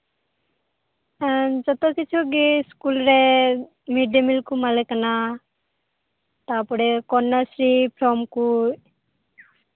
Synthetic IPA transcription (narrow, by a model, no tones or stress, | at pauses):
and͡ʒɔt̪ɔkit͡ʃʰuɡiskulɾe | miɖemilkumalɛkana | t̪apɔɽɛkɔnːɔsɾipʰɾɔmku